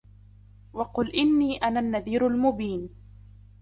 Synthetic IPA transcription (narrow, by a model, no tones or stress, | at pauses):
wɑqʊlʔɪnːiːʔanaːnːaðiːɾʊlmʊbiːn